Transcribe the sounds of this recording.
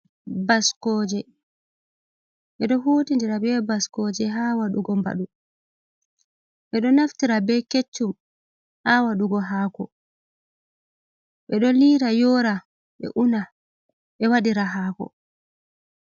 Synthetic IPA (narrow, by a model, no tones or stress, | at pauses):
baskɔːd͡ʒɛ | ʔɛɗɔɦoːtindiɾabɛbaskɔd͡ʒɛɦaːwaɗuɡɔmba̰ɗu | ʔɛɗɔnaftiɾabɛket͡ʃːum | hawaɗuɡɔɦaːkɔ | ɓɛɗɔliɾajɔːɾa | ɓɛ̰ʔuna | ɓɛwaɗiɾaɦaːkɔ̰